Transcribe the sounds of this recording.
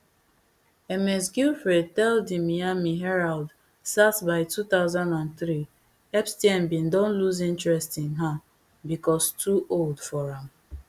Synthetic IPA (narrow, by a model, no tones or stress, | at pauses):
ɛmɛs̬ɡilfɹed̚tɛldimiamiɦɛɹald | satsbaɪtut̪aʊzãndãnθɾi | ɛpstiɛ̃mbĩndõnluzĩntɹɛstɪ̃ŋɦa | bikɔstʰuʔoldfɔɹãm̩